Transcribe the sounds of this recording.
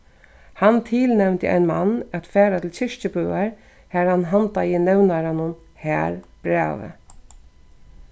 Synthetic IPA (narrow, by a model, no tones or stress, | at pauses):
hant̪ʰɪlnɛwnt̪ɪ̰ʔa̰ɪnma̰nːæt̪fɛːɾat̪ʰɪlçɪʂt͡ʃəbœaɹ | hæɾhanɦant̪ajɪnɛwnaɾanʊn | hæːɹb̥ɾɛ̰ːʋə̰